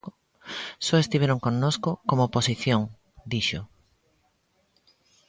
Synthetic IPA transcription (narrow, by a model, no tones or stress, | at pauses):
soest̪iβ̞eɾoŋkonnoskokomoposiθjoŋ | d̪iʃo